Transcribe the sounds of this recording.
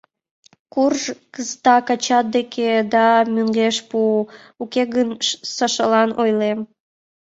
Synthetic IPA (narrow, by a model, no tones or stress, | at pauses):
kurʒkəzət̪ɑkɑt͡ɕɑt̪̚d̪ekʰed̪ɑmøŋɡeʃpu | ukeɣənsɑʃəlɑnojlem